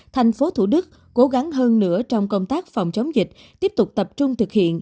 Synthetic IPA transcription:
t̪ʰa˨˩jŋ̟fo˨˦t̪ʰu˧˩ɗɨ˦˥k̚ː | ko˨˦ɣa˨˦ŋɦəː˧nːɨ̰˧˥ət͡ɕɔ˧wŋ͡mkə˧wŋ͡mt̪aː˦˥k̚fɑ˨˩wŋ͡mt͡ɕə˨˦wŋ͡mzï˨˩k̟̚ | t̪i˦˥əp̚t̪ʊ˨˩k͡p̚t̪ə˨˩p̚t͡ɕʊ˧ŋ͡mt̪ʰɨ˨˩k̚hḭ˧˨ən

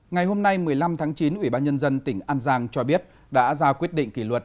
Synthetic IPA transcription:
ŋa˨˩jɦo˧mna˧jmɨ˨˩əjla˧mt̪ʰaː˨˦ŋt͡ɕi˨˦nʔwi˧˩ɓaː˧nɲə˧nzə˧nt̪ï˧˩ŋ̟ʔaː˧nzaː˧ŋt͡ɕɔ˧ɓi˦˥ət̚ | ɗa̰ː˧˥zaː˧kwi˦˥ət̚ɗḭ˧˨ŋ̟ki˧˩lwə˨˩t̚

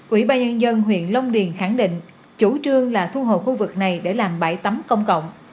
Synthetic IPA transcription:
ʔwḭ˧˩˦ɓaː˧nɲə˧nzə˧nɦwḭ˧˨ənlə˧wŋ͡mɗi˨˩ənxa˧˩ŋɗḭ˧˨ŋ̟ | t͡ɕu˧˩t͡ɕɨ˧əŋlaː˨˩t̪ʰu˧ɦo̰˧˨jxu˧vɨ˨˩k̚na˨˩jɗe˧˩laː˨˩mɓa̰ː˧˩jt̪ə˨˦mkə̰˧wŋ͡mkə̰˧˨wŋ͡m

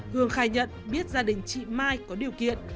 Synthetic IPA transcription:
hɨ˨˩əŋxaː˧˩jɲə̰˧˨nɓi˦˥ət̚zaː˧ɗï˨˩ŋ̟t͡ɕḭ˧˨maː˧jkɔ˨˦ɗi˨˩əwkḭ˧˨ən

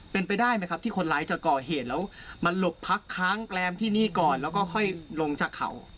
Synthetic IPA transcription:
pe˧npa˧jdaː˥˩jma˦˥jkʰa˦˥t̪ʰiː˥˩kʰo˧nlaː˦˥jt͡ɕa˨˩kɔː˨˩ɦeː˨˩t̪̚lɛː˦˥wma˧nlo˨˩pʰːa˦˥kʰːɾaː˦˥ŋlɛː˧˥mt̪ʰiː˥˩niː˥˩kɔː˨˩nlɛː˦˥wkɔː˥˩kʰɔ˥˩jlo˧ŋt͡ɕaː˨˩kʰːa̰˨˩˦w

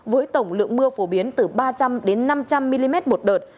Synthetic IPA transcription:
vəː˨˦jt̪ə˧˩wŋ͡mlɨ̰˧˨əŋmɨ˧əfo˧˩ɓi˨˦ənt̪ɨ˨˩ɓaː˧t͡ɕa˧mɗe˨˦nːa˧mt͡ɕa˧mːi˧li˧mɛ˦˥t̚mo˨˩t̚ɗəː˨˩t̚

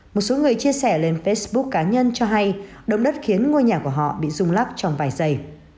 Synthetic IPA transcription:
mo˨˩t̚so˨˦ŋɨ˨˩əjt͡ɕi˧əsɛ˧˩le˧nfe˦˥sɓʊ˦˥kːaː˨˦ɲə˧nt͡ɕɔ˧ɦa˧jɗə̰˨˧˨wŋ͡mɗə˦˥t̚xi˨˦ənŋo˧jɲaː˨˩ku˧˩əɦɔ̰˧˨ɓḭ˧˨zʊ˧ŋ͡mlaː˦˥p̚t͡ɕɔ˧wŋ͡mvaː˨˩jzə˧˩j

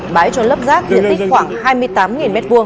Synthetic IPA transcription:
ɓaː˨˦jt͡ɕɔ˧lə˦˥p̚zaː˦˥k̚t̪i˧˩ənt̪ï˦˥ŋ̟xwaː˧˩ŋhaː˧jmɨ˧əjt̪aː˨˦mŋi˨˩nmɛ˦˥t̚vu˧əŋ

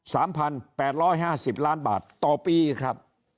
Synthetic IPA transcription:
saː˩˦mpʰa˧npɛː˨˩t̪̚ɾɔː˦˥˩jɦaː˥˩si˨˩p̚laː˦˥˩nba̰ː˨˩t̪ːɔː˨˩piː˧kʰɾa˦˥p̚

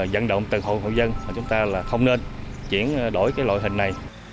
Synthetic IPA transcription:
zə̰˧˨nɗo̰˧˨wŋ͡mt̪ɨ˨˩ŋɦo̰˧˨nɦo̰˧˨jzə˧nmaː˨˩t͡ɕʊ˨˦ŋ͡mt̪aː˧laː˨˩xə˧wŋ͡mne˧nt͡ɕi˧˩ənɗo˧˩jkaː˨˦jla̰˧˨jɦï˨˩ŋ̟na˨˩j

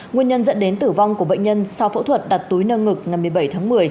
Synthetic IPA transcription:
ŋwi˧ənɲə˧nzə̰˧˥nɗe˨˦nt̪ɨ˧˩va˧wŋ͡mku˧˩əɓə̰˧˨jŋ̟ɲə˧nsa˧wfṵ˧˥t̪ʰwə˨˩t̚ɗa˨˩t̚t̪u˨˦jnəː˧ŋɨ˨˩k̚ŋa˨˩jmɨ˨˩əjɓə˧˩jt̪ʰaː˨˦ŋmɨ˨˩əj

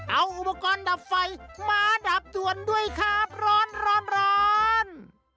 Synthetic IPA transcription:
ʔa˧wʔu˨˧pa˧kɔː˧nda˨˦p̚fa˧jmaː˧da˨˦˩p̚du˨˩əndu˥˩əjkʰaː˧˩p̚ɾɔː˧˥nɾɔː˧˥nɾɔː˧n

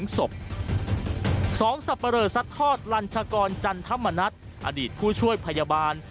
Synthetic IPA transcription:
ŋso˨˩p̚ | sɔː˩˦ŋsa˨˧pːa˧ɾɤː˨˩sa˦˥t̪ʰːɔː˥˩t̪̚la˧nt͡ɕʰa˧kɔː˧nt͡ɕa˧nt̪ʰa˦˥˨mːa˧na˦˥t̪̚ | ʔa̰˧diː˨˩t̪̚pʰuː˥˩t͡ɕʰu˥˩əjpʰa˧ja˧baː˧n

